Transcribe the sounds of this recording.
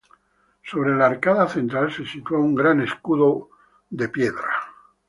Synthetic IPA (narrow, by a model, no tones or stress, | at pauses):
so̞β̞ɾe̞laeɾkaðaθe̞nt̪ɾalse̞sit̪uouŋɡɾane̞skuðo | ðe̞pje̞ðɾa